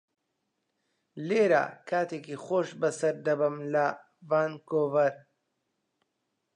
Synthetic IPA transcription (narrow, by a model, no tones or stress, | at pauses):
leːɾa̰ːkʰaːt̪eːkiχoːʃbɐsɐɾd̪ɐbɨmlɐ | vaːnkoːvɐɾ